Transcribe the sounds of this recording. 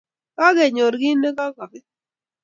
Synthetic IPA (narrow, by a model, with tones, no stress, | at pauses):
ka˦ɡɛ˨ɲo˨ɾɡi˦nːe˦ka˦ka˨kɪ˦